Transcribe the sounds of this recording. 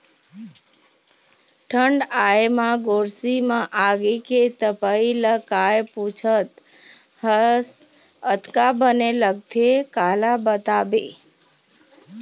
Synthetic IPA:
ʈʰəɳɖaemãɡoɾsimãʔaɡeket̪əpailəkajput͡ʃʰət̪ | həs | ət̪kabəneləɡ̚t̪ʰekaːlabət̪abe

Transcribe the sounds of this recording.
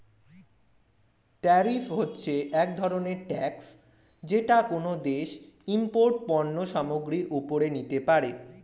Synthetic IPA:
ʈaɾifɦotːɕʰeʔɛk̚d̪ʱɔɾoneɾʈɛks | d͡ʑeʈakonod̪eʃ | impoɾʈ̚pɔnːoʃamoɡɾiɾupoɾenit̪epaɾe

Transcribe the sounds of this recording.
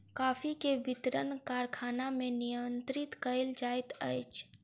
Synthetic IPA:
kaːpʰikebit̪ɾənkaɾkʰanamenijənt̪ɾit̪kəɪld͡ʒajt̪ə̰jt͡ʃʰ

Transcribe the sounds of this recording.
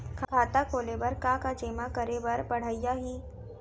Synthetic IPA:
kʰkʰaːt̪akoːlebəɾkakad͡ʒeːmakɐɾebɐɾbɐɽ̤aɪjaɦiː

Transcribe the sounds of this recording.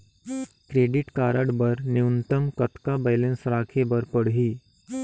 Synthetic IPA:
kɾeːɖɪʈkaːɾəɽbɐɾnɪʊnt̪əmkɐt̪kabeːlə̃nsɾaːkʰebɐɾpəɽɦiː

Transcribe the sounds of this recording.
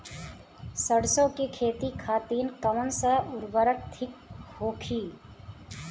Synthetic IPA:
səɽsõkikʰeːt̪ikʰaːt̪iːnkaʊnsəʊɾbəɾək̚t̪ʰɪk̚hoːkʰiː

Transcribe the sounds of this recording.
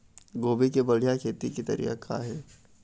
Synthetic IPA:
ɡoːbikebɐɽ̤ijakʰeːt̪ikit̪ɐ̰ɾḭːakʰa̰ɦɛː

